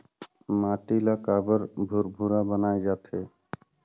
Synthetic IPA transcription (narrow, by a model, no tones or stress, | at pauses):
maʈilakabəɾbʱuɾbʱuɾabənaed͡ʒat̪ʰe